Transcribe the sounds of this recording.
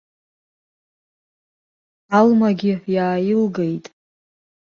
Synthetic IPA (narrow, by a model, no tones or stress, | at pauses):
almaɡʲɪjaːjɪlɡejtʼ